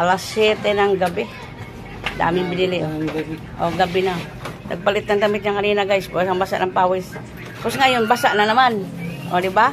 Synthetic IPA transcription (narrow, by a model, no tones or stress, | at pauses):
alaset̪enaŋɡabe | da̰mibinili | oɡabina | na̰ɡ̚palit̪ant̪amit̪̚ɲaŋaninaɡaispsaŋbasa̰ʔnampawɪs | posŋajʊnbasaʔnanamanʔodiba